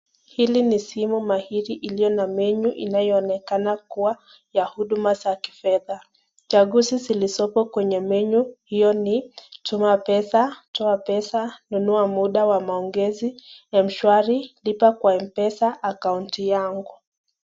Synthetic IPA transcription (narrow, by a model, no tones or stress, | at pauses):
hilinisimumahiɾiʔilijɔnamɛɲuʔinajɔːnɛkanakuwa | jahuɗumazaki̥fɛða | t͡ʃaɠusizilisɔpɔkwɛɲɛmɛɲuhijɔnitʰumapɛsatʰɔapɛsanunuamuɗawamaɔŋɡɛzijam̩ʃwaɾilipakwaɛmpɛsaʔːkauntijaŋɡu